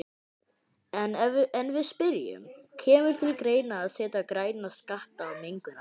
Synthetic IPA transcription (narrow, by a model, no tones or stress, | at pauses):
ɛnɛnvɪðspɪɾjʏ̰mcʰɛːmʏɾ̥t̪ʰɪlkɾeːjnaːðsɛːt̪akɾaːjnaskaht̪aːwmeŋkʏna